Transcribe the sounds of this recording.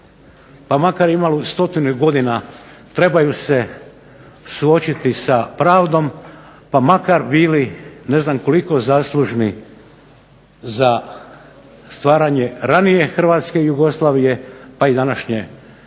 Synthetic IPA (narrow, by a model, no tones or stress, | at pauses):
pamakaɾimalust̪o̞t̪inuɡo̞d̪ina | t̪ɾe̞bajuse̞ | suo̞t͡ɕit̪isapɾaːʋd̪o̞mpamakaɾbiːline̞znamko̞liko̞zaːslˠuʒni | za | st̪ʋaːɾaɲe̞ɾanije̞xrʋaːt̪skejuɡo̞slˠaːʋije̞paid̪anaʃɲe